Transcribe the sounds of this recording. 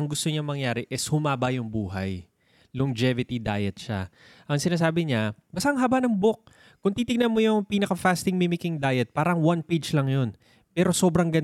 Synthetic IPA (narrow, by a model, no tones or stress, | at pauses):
ɐŋɡʊst̪oɲamɐŋjaːɾɪʔɛshʊmaːbɐjʊŋbuːɦɐ̰j | lʊŋd͡ʒɛvɪt̪id̪a̰ːjɛt̪̚ʃa | ʔɐŋsɪnaːs̬aːbɪɲabɐsaʔŋɦɐbanɐŋbok̚ | kʊŋt̪iːt̪ɪɡ̚nɐnmojʊŋpiːnɐkɐfast̪ɪŋmimɪkɪŋd̪aːjɛt̪̚paːɾɐŋwanped͡ʒlɐŋjo̞n | pɛːɾo̞so̞ːbɾɐŋɡɐn